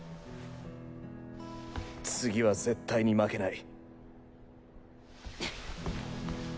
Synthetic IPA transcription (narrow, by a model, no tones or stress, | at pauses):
t͡sɨɡʲiβaze̞t̪ʰːaiɲ̟imake̞nai